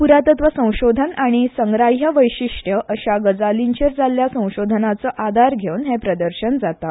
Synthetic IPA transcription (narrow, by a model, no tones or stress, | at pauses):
puɾat̪ət̪ʋəsə̃w̃ɕod̪ʱənaɽ̃isəŋɡɾajəʋəjɕiʂʈjəʔəɕaɡəd͡zaliɲt͡ɕeɾd͡zaljasə̃w̃ɕod̪ʱənat͡səːʔad̪ʱaɾɡʱeunɦɛ̃pɾəd̪əɾɕənd͡zat̪a